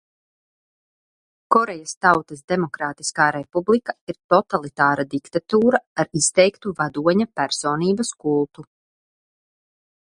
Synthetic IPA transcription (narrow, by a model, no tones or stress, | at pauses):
kɔɾɛjast̪awt̪ɐsd̪emɔkɾaːt̪i̥skaːɾepublikaiɾt̪ɔt̪alˠit̪aːɾad̪ikt̪at̪uːɾaaɾist̪ɛjkt̪uvad̪uɔɲapæɾsoːniːbɐskulˠt̪u